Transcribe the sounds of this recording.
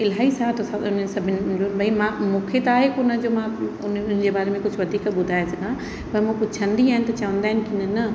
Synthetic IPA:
ɪlɦaːisat̪ɐsaʊnsɐbʱɪnd͡ʑoːnbʱɐimãmũːkʰet̪aːɦekonəd͡ʑomãʊnʊnɪd͡ʑebaːɾemẽkʊd͡ʑʱʊʋɐd̪ʱiːkɓʊd̪ʱaːesɐɡã | pɐɾmũpʊt͡ɕʰɐ̃nd̪iaːɦɪnɪ̆t̪ɐt͡ɕɐʋə̃nd̪aːɦɪnɪ̆kiɪnənɐ

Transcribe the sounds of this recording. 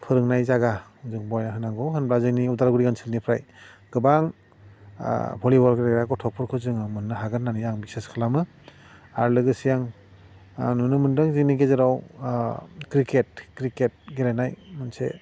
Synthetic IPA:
pʰɯɾɯŋnajzaɡazɯŋbɔjnaɦɯnaŋɡɔɦɯnbɾazɯniudaɾɡuɾiɡansilnipʰɾajɡ̥ɯbaŋ̰ | bʰɔlibɔɾɡeɾeɾakɔtʰɔk̚pʰɔɾkʰɯzɯŋamɯnːɯɦaɡɯnːanijaŋbiseskʰalamɯ | aɾlɯɡɯsijaŋ | nunɯmɯndɯŋziŋniɡezɯɾaw | kɾiket̚kɾiket̚ɡeɾenajmɯnsḛ

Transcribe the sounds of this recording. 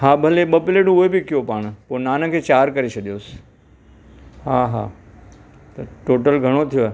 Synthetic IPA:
ɦaːbʱɐleɓɐpɪleːʈũʊɦebɪkɪjopaːɽ̃poːnaːnə̆kʰeːt͡ɕaːɾkɐɾet͡ʃʰɐɗ̪ijoːsɪ̥ | ɦaːɦaː | t̪ɐʈoːʈəlɡʱɐɽ̃ot̪ʰijoe

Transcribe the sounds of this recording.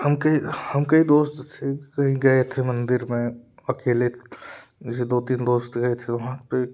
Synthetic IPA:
ɦɐmkɐihɐmkɐĩd̪oːst̪tʰekɐɦĩɡɐet̪ʰemɐ̃nd̪ɪɾmẽɐkeːle | sed̪oːt̪iːnd̪oːst̪ɡɐet̪ʰeʋɐɦãpe

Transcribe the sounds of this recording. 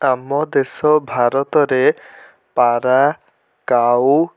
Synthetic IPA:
amːɔd̪esɔbʱaɾɔt̪ɔɾe | paɾa | kaw

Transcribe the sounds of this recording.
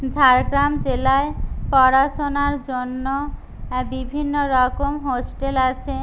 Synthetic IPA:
d͡ʑʱaɾɡɾamd͡ʑelaepɔɾaʃonaɾd͡ʑonːo | bibʱinːoɾɔkomɦosʈelat͡ɕʰe

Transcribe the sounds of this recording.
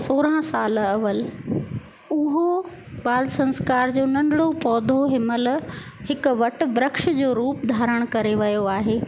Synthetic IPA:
soːɾãsaːlɐʋəl | ʊɦo | baːlsɐ̃nskaːɾd͡ʑoːnɐ̃nɖɽopɔːd̪ʱoɦɪməlhɪkʊ̆ʋɐʈʊ̆bɾəkʃd͡ʑoːɾuːpd̪ʱaːɾəɽ̃kɐɾeʋɐjoaːɦeː

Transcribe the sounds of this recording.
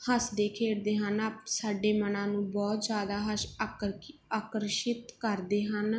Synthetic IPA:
həsd̪eːkʰeːɽd̪eːɦənaːpsaːɖeːmənãːnũːbɔːt̪zjaːd̪aːɦəʃ | aːkəɾʃɪt̪kəɾd̪eːɦən

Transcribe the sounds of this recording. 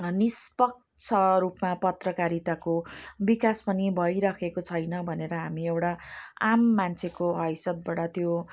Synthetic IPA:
nispʌk̚ | t͡sʰʌɾupmapʌt̪rʌkaɾit̪akobikaspʌnibʱʌjɾʌkʰekot͡sʰʌjnʌbʱʌneɾʌɦamiewʈaamːant͡sʰekoɦʌjsʌb̚baɽʌt̪jo

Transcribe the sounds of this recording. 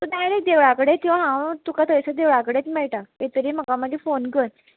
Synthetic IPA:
t̪ud̪ajɾed̪eʋɭakəɽet̪ĩw̃ʋãɦãwt̪ukat̪əjsəd̪eʋɭakəɽet͡smɛɭʈaet̪əɾim̤əkaməɡefonkəɾ

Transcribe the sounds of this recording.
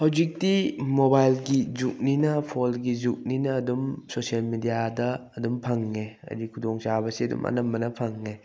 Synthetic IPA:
hawzik̚timobajlɡizuk̚ninɐpʰolɡizuk̚ninɐːdumsosijɐlmidijadɐːdumpʰɐŋːeɐ̰dikʰudoŋt͡ʃabɐsiɐdṵmɐ̰nɐmbɐnɐpʰɐŋːe

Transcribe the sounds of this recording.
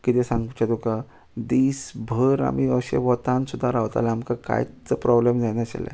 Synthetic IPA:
kit̪esãŋɡut͡ɕad̪oka | d̪iːsbʱəɾa̰miəɕḛʋɔt̪ãnsud̪ʱːaɾaʋt̪a̰lɛamkaka̰jt͡səpɾɔblemd͡zanaɕa̰la̰

